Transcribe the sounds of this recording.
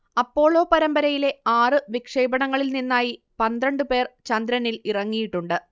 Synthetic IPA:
ɐpːo̞ːɭo̞ːpɐɾɐmbɐɾɐjile̞aːrɨʋikʂɐjbɐɳɐŋːɐɭilninːaːji | pɐnd̪ɾɐɳɖɨpe̞ːrt͡ɕɐnd̪ɾɐnilirɐŋːijiʈːuɳɖɨ

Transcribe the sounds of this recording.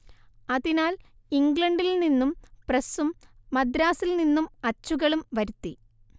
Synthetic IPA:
ɐðinaːl | iŋɡɭɐɳɖilninːumprɐsumː | ɐd̪ɾaːsilninːumɐt͡ɕːuɣɐɭumʋɐɾut̪ːi

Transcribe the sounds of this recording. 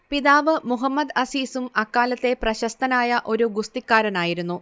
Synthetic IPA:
piðaːʋɨmuɦɐmːɐd̪ɐsiːsumɐkːaːlɐt̪ːe̞prɐɕɐst̪ɐnaːjɐʔo̞ɾuɡust̪ikʲːaːɾɐnaːjiɾunːu

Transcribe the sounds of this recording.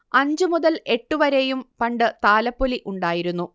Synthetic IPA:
ɐɲd͡ʑɨmuðɐle̞ʈːuʋɐɾejumpɐɳɖɨt̪aːlɐpːoliʔuɳɖaːjiɾunːu

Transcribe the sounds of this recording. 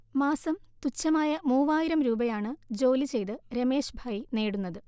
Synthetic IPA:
maːsɐmt̪ut͡ɕːɐmaːjɐmuːʋaːjiɾɐmɾuːbɐjaːɳɨd͡ʑo̞ːlit͡ɕe̞jt̪ɨɾeme̞ːʂbʱaːjine̞ːɽunːɐðɨ

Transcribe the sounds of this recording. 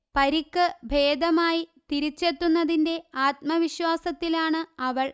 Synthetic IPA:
pɐɾikːɨbʱe̞ːd̪ɐmaːjit̪iɾit͡ɕːe̞t̪ːunːɐðinde̞aːt̪̚mɐʋiɕwaːsɐt̪ːilaːɳɨɐʋɐɭ

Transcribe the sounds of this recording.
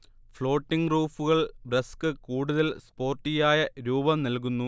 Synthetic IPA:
fɭo̞ːʈːiŋɡruːfuɣɐɭbrɐskɨkuːɽuðɐlspo̞ːrʈːijaːjɐɾuːbɐmnɐlk̬unːu

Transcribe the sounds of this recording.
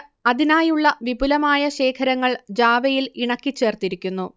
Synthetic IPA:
ɐðinaːjuɭːɐʋibʱulɐmaːjɐɕe̞ːkʰɐɾɐŋːɐɭd͡ʑaːʋɐjiliɳɐkʲːit͡ɕːe̞ːrt̪iɾikʲːunːu

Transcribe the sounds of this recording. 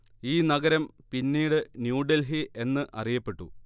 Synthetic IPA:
iːnɐɡɐɾɐmpinːiːɽɨnjuːɖelɦiʔe̞nːɨʔɐ̰rijɐpːe̞ʈːṵ

